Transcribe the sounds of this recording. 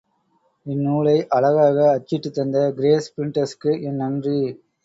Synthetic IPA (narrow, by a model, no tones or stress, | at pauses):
ɪnːuːɭɐɪʔɐɭɐɣaːɣɐːt͡ʃːɪʈːɯt̪ːɐnd̪ɐɡɪɾeːspɾɪɳʈɐskːɯʔɛnːɐndri